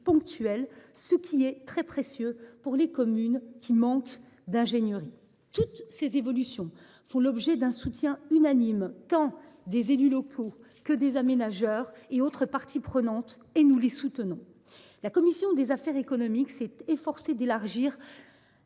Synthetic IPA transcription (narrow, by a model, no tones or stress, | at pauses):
pɔ̃k̚t̪ɥɛlsəkʲʰiɛt̪χɛpχesjøpuʁlekɔmynkʲimɑ̃k | d̪ɛ̃ʒenjəʁi | t̪ut̪sezevɔlysjɔ̃ | fɔ̃lɔbʒɛd̪ɛ̃sut̪jɛ̃ynanimt̪ɑ̃d̪ezelylɔkʰo | kəd̪ezamenaʒœʁeot̪χəpaʁt̪ʰipχənɑ̃t̪ | enulesut̪ənɔ̃ | lakɔmisjɔ̃d̪ezafɛʁekɔnɔmiksɛt̪efɔʁsed̪elaʁʒiːʁ